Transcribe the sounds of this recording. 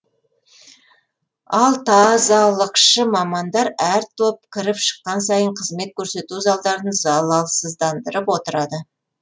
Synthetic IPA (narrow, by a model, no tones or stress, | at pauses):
ɑlˠt̪ʰɑzɑlˠəqʃəmɑmɑnd̪ɑɾæɾt̪ʰop̚kʲʰɪɾɪpʃə̥qːɑnsɑjəɴqʰəzme̞t̪̚kʲʰɵɾse̞t̪uzɑlˠd̪ɑɾd̪ənzɑlˠɑlˠsəzd̪ɑnd̪əɾəpwo̞t̪əɾɑd̪ə